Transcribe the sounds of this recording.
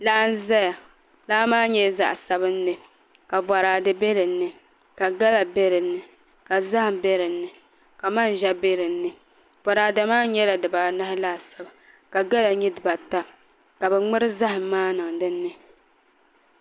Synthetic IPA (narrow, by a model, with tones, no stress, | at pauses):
la˦n˦za˦ja˨ | laː˦maː˦ɲɛ˦˨za̰˨ʔsa˦bɨ˦n̩ː˦ɨ˨ | ka˨ba˨ɾaː˨dɨ˦be˦lɨ˨nːɨ˨ | ka˨ɡa˦la˨be˦ɾɨ˨nːɨ˨ | ka˨za˦hɪ˨mbe˦ɾɨ˨n̩ːɨ˨ | ka˨ma˦n˨ʒɛ˦be˦ɾɨ˨n̩ː˦ɨ˨ | b̥a˨ɾaː˨da˨maː˦ɲɛ˦la˨dɨ˨ba˨na˦hɪ˦la˦˨sa˦ba˨ | ka˨ɡa˦la˨ɲɛ˦dɨ˨ba˨ta˦ | ka˨bɛ˨ŋ͡mɨ˦ɾɨ˦za˦hɨ˨˦maː˦nɨ˨ŋ˨dɨ˦nː˦ɨ˦